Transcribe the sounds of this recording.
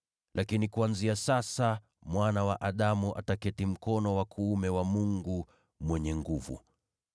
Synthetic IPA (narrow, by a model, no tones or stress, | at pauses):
lʔakinikuanziasasa | mwanawaʔaɗamuʔa̰takɛtim̩kɔnɔwakʰuːmɛwamuŋɡu | mwɛɲɛŋɡuvṵ